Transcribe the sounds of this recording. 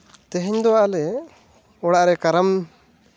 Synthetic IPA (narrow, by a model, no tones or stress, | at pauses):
t̪ɛɦɛɲd̪ɔwaʔalɛ | ɔɽaʔɾɛkaɾam